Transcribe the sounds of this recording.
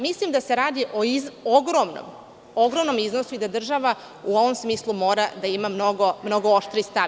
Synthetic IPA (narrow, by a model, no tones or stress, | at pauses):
mislimd̪ase̞ɾaːd̪iʔoizoɡɾomno̰m | oɡɾomno̞miznosuid̪ad̪r̩ʒaʋa | uo̞ʋomsmiːslˠumo̞ːɾad̪aimamnoɡomno̞ɡooʃt̪ɾist̪a